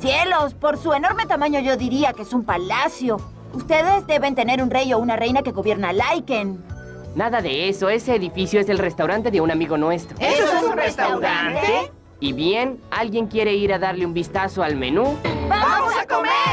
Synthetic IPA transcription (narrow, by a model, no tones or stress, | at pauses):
sjelospo̞ɾsue̞no̞ɾmet̪amãɲo̞ʝo̞ðiɾiakeesumpalasjo̞ | ust̪e̞ðe̞zd̪e̞βe̞nt̪e̞ne̞ɾunrejounare̞jnake̞ɣo̞βje̞ɾnalajken | naðaðeeso̞e̞seːðifisjoese̞lre̞st̪awɾant̪e̞ðeunamiɣo̞nwe̞st̪ɾoeesunrest̪awɾant̪ee | iβjenalɣje̞ŋkje̞ɾe̞iɾaðaɾleumbist̪aso̞almḛnubaamosakome